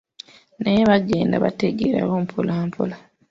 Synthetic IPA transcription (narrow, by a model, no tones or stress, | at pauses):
nejeβaɡe̞ːndaβa̰teɡeɾa̰βoːmpʰolaːmpʰola